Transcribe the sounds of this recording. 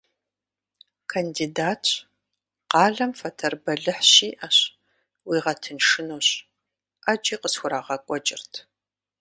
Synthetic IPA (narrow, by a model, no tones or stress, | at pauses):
kʰɐndiːdaːtʰ | qɑːɮɐmfɐtʰɐrbɐɮɨħʃiːʔɐɕ | wiːʁɐtʰɨnʂɨnoːɕ | ʔad͡ʒʼiːqəsxʷʊɾaːʁɐkʷʼɔt͡ʃʼɪ̰rtʰ